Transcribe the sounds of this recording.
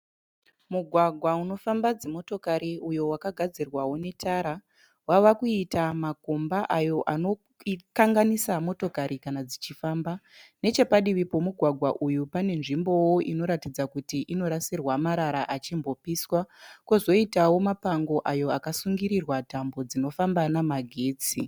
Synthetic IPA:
muɡʱwaɡʱwauno̞fambad͡zemo̞to̞kaɾiujo̞wakaɡʱad͡zirwawo̞ne̞taɾa | waʋakuitamako̞mbaʔajo̞ʔano̞ | kaŋɡanisamo̞to̞kaɾikanad͡zit͡ʃifaːmbane̞t͡ʃe̞paɗiʋipo̞muɡʱwaɡʱwaʔujupane̞nʐimbo̞wo̞ʔino̞ɾatid͡zakutiʔino̞ɾasirwamaɾaɾaʔat͡ʃimbo̞piswakozo̞itawo̞mapaŋɡo̞ʔajo̞akasuŋɡiɾirwatambo̞d͡zino̞fambanamaɡʱe̞ːt͡si

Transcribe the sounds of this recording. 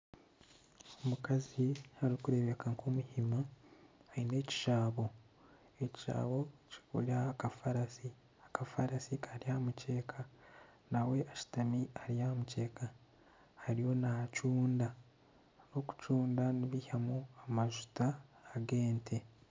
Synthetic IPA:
omukazihaɾikuɾe̞βe̞kaŋkomuhimahaine̞ːci̥ʃaːβo̞ | e̞ciʃa̰ːβo̞ci̥kṵlakafaɾasi | akafaɾasikaɾiamuce̞ːkʰa | nawe̞ʔaʃi̥tamiaɾijamuce̞ːka | haɾijo̞nacuːnda | no̞ku̥cuːndaniβihamoamaʒutaːɡe̞ːntʰe̞

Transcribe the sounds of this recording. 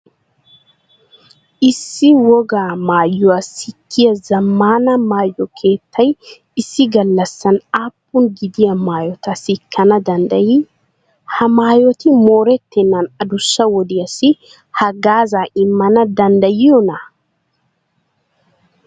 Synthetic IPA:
ʔɪsːɪwɔɡaːmaːjːʊwasɪkʰːɪjɐzɐmːaːnɐmaːjːɔkʰe̞ːt̪ːɐj | ɪsːɪɡɐlːɐsːɐnaːpːʊnɡɪd̪ɪjɐmaːjɔt̪ɐsɪkʰːɐnɐd̪ɐnd̪ɐjɪ | hɐmaːjɔt̪ɪmoːɾɛt̪ːɛnːɐnɐd̪ʊsːɐwɔd̪ɪjɐsɪ | hɐɡaːzaːɪmːɐnɐd̪ɐnd̪ɐjɪjɔnɐ

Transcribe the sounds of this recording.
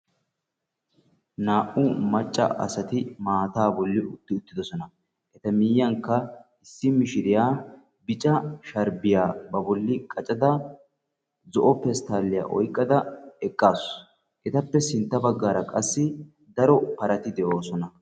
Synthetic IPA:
naːʔʊmɐt͡ʃʼːɐ̰ʔɐ̰sɐt̪ɪmaːt̪aːbɔlːɪʔʊt̪ːɪʊt̪ːɪd̪ɔsɔnɐ | ʔɛt̪ɐmiːjːɐŋkːɐ | ɪsːɪmɪʃɪɾɪjaː | bɪt͡ʃʼɐʃɐɾbɪjaːbɐbɔlːɪkʼɐt͡ʃʼɐd̪ɐ | zɔʔɔpɛst̪aːlːɪja̰ːʔɔ̰jkʼːɐd̪ɐɛkʼːaːs | ʔɛt̪ɐpːɛsɪnt̪ːɐbɐɡːaːɾɐkʼɐsːɪ | d̪ɐɾɔpɐɾɐt̪ɪd̪ɛʔo̞ːsɔnɐ

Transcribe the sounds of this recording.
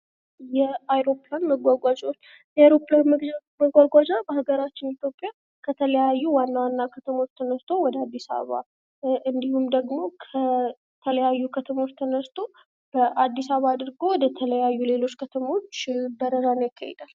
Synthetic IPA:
jɛajɾo̞planməɡʷaɡʷad͡ʒot͡ʃː | jɛajɾo̞planmməɡʷaɡʷad͡ʒabəhaɡəɾat͡ʃːɪnit̪jo̞pʼːja | kʰət̪ʰələjajːuwanːawanːakʰət̪ʰəmo̞t͡ʃːt̪ʰənəst̪ʰo̞wɔd̪əad̪ːisa̰β̰βa̰ | ɨnd̪ihumd̪əɡmo̞kʰə | t̪ʰələjajːukʰət̪ʰəmo̞t͡ʃːt̪ʰənəst̪ʰo | b̥əʔad̪ːisaββad̪ɨɾɡo̞wɔd̪ət̪ʰələjajːule̞lo̞t͡ʃːkʰət̪ʰəmo̞t͡ʃːbəɾəɾanojakʰːa̰jɛ̰d̪al

